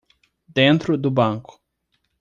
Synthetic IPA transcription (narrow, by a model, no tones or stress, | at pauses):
d̪ẽnt̪ɾʊd̪ʊbɐ̃kʊ̥